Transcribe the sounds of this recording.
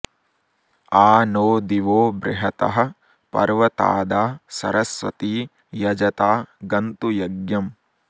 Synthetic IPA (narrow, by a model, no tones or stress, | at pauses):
aːnoːd̪iʋoːbɾɪɦɐt̪ɐ̰ɦɐ̆ | pɐ̰ɾʋɐt̪a̰ːd̪aːsɐ̰ɾɐsʋɐ̰t̪iː | jɐd͡ʒɐt̪aːɡɐnt̪ujɐɡjɐm